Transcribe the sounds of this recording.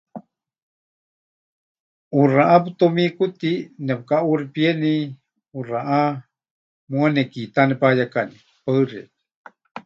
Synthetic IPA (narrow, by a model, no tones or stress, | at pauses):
uraʔap̬ɨt̪omikut̪inɛpkaʔuripieni | uraʔa | mũanekit̪anɛpajakani | paɨrḛt